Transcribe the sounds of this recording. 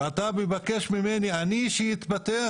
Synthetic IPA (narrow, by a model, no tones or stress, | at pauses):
at̪abevakeʃmimenianiʃejit̪bat̪ea